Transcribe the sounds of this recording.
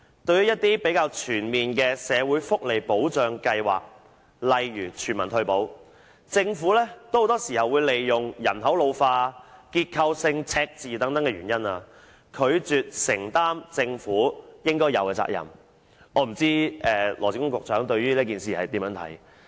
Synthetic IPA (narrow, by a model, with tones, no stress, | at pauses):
t̪ɵ˧ɥyː˥jɐ˥t̚t̪iː˥pe˨˥jkaː˧wt͡ʃʰyː˨˩nmiː˨nkɛː˧sɛː˨˧wuː˨˥jfʊ˥k̚le˨˩jpo˨˥wt͡ʃœː˨˧ŋkɐ˧jwa̰ː˨k̚ | lɐ˨jɥyː˨˩t͡ʃʰyː˨˩nmɐ˨˩nt̪ʰɵ˧ɥpo˨˥w | t͡sɪ˧ŋfuː˨˥lɛː˥t̪o˥who˨˥t̪ɔː˥siː˨˩hɐ˨wːuː˨˧jle˨jːʊ˨ŋjɐ˨˩nɦɐ˨˥wlo˨˧wfaː˧kiː˧t̚kʰɐ˧wsɪ˧ŋt͡sʰɛː˧k̚t͡siː˨t̪ɐ˨˥ŋt̪ɐ˨˥ŋkɛː˧ɥyː˨˩njɐ˥naː˧ | kʰɵ˨˧ɥt͡syː˨˧t̚sɪ˨˩ŋt̪aː˥mt͡sɪ˧ŋfuː˨˥jɪ˥ŋkɔː˥jɐ̰˨˧wkɛː˧t͡sa̰ː˧k̚jɐ̰˨˩m | ʔɔː˨˧m̩˨˩t͡siː˥ɛː˨˧lɔː˨˩t͡si˨˥kʊ˥ŋkʊ˨k̚t͡sœː˨˥ŋt̪ɵ˧ɥɥyː˥li˥k̬iː˨nsiː˨hɐ˨jt̪iː˨˥mjœː˨˥ŋtʰɐ̰˨˥j